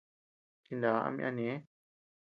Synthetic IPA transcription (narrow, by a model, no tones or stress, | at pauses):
t̪ʰĩnd̪aːa̰mʔa̰nẽ